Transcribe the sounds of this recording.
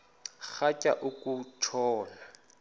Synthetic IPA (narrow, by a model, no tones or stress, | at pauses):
k͡xacʼaʔʊkʼutʰɔːla